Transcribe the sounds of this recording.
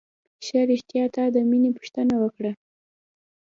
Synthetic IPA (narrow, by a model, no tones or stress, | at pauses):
ʃaɾɪʃt̪jɑt̪ɑd̪əminepu̥ʃt̪ənawəkɽa